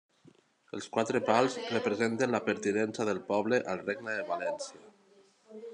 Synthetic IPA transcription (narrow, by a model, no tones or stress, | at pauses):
əlˠskwat̪ɾəpalˠzrəpɾəzent̪ənlapəɾt̪inɛnsaðəlˠpɔβləʔalˠreɡnəðəβalɛnsia